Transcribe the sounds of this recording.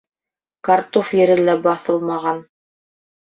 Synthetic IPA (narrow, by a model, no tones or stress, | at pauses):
kɑɾt̪ofjɘ̆ɾɘ̆læbɑθɤlˠmɑʁɑn